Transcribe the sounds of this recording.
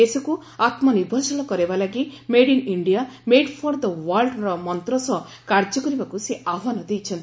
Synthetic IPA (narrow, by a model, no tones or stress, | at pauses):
esɔku | at̪mɔniɾbʱɔsɔlɔkɔɾebalaɡimeɽiniɳɖijameɖpʰɔɾd̪əwaɾlɖɾɔmɔnt̪ɾɔsɔ | kaɾd͡ʒɔkɔɾibakuseʔaʋanɔd̪ejt͡ʃʰɔnt̪i